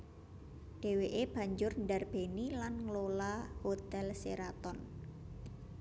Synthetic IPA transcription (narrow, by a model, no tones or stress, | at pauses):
ɖ̥e̤weʔeb̥ä̤ɲd͡ʒʊrɳɖarb̥e̤nilanŋəlolahot̪ɛlsḛɾat̪ɔn